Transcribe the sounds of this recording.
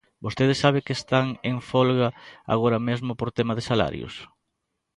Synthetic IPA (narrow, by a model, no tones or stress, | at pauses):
bost̪eð̞esaβ̞ɪkest̪aŋeɱfɔlɣaa̰ɣ̞oɾɐmezmʊpoɾt̪emaðesala̰ɾjʊ̰s